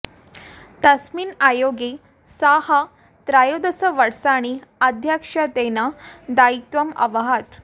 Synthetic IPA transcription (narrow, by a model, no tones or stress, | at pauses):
t̪əsmiːnajoɡe | saha | t̪ɾajod̪əsəʋəɽsaɽ̃iad̪ʱjakʂat̪enad̪ait̪ʋəmɐ̰ʋaɦat̪